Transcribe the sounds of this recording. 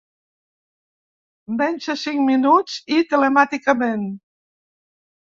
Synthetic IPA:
bɛnʲʃəsiŋminut͡sit̪ələmat̪ikəmen

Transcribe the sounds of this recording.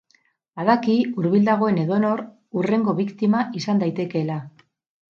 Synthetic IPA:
aðakiuɾβild̪aɣ̞o̞e̞ne̞ðo̞no̞ɾ | ure̞ŋɡo̞βikt̪imaʔisand̪ajt̪e̞ke̞la

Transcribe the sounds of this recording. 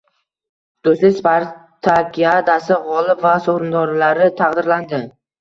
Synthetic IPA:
d̪̥oslɪkʲspaɾt̪ʰakʲiad̪asɪʁɒlˠɪpvasoχɾɪnd̪ɒɾlaɾɪt̪ʰɑqd̪ɪɾland̪ɪ

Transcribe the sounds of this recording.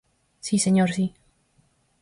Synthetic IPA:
siseɲoɾsi

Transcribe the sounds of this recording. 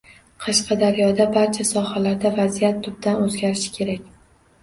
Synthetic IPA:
qʰɑʃqɑd̪aɾjɒd̪abaɾt͡ʃʰasɒhalaɾd̪avazijat̪ːʊb̚d̪anɵzɡʲaɾɪʃɪ̥kʲʰe̞ɾakʲ

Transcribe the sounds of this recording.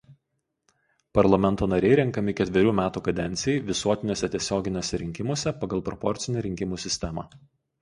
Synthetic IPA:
pɐɾlˠɐmʲɛnˑt̪oːnɐɾʲɛɪɾʲɛŋˑkɐmʲɪkʲɛt̪ʲʋʲɛɾʲuːmʲæːt̪uːkɐd̪ʲɛnʲt̪sʲɪjɛɪʋʲɪsuɔt̪ʲɪnʲoːsʲɛt̪ʲiɛsʲoːɡʲɪnʲoːsʲɛɾʲɪŋʲkʲɪmoɔsʲɛpɐɡɐlˠpɾɔpɔɾʲt̪sʲɪnʲɛɾʲɪŋʲkʲɪmuːsʲɪsʲt̪ʲɛmɑ̰

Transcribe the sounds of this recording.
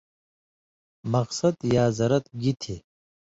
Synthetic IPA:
mɐqsɐd̪jaːzɐɾɐt̪ɡit̪ʰi

